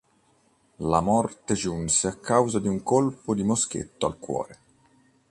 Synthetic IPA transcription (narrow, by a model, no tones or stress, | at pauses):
lamɔrt̪ed͡ʒunseakʰːawzad̪iuŋkolpod̪imosk̟ḛt̪ːoa̰lkwɔ̰ːɾe